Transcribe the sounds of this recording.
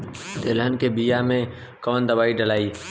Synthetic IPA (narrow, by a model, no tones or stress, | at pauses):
t̪eːlɦənkebijamẽ | kɔːnd̪əbaːiɖəlaːiː